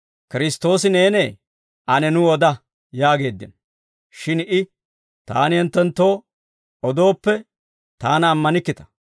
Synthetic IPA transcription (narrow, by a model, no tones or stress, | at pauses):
kɪɾɪst̪o̞ːsɪne̞ːneː | ʔɐnɛnʊɔd̪ɐ | jaːɡe̞ːd̪ːɪ̰n | ʃɪnɪ | t̪a̰ːnɪɛnt̪ːɛnt̪ːo̞ː | ɔd̪o̞ːpːɛ | t̪aːnɐːmːɐnɪkːɪt̪ɐ̥